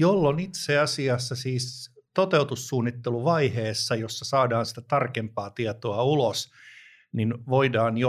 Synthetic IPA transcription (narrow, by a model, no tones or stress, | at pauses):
jolːonit̪seɑsiɑsːɑsiːst̪ot̪eut̪usːuːnːit̪ːeluʋɑiheːsːɑjosːɑsɑːdɑːnsi̥t̪æt̪ɑrkempɑːt̪iɑt̪oɑulos | ninʋoidɑːnjo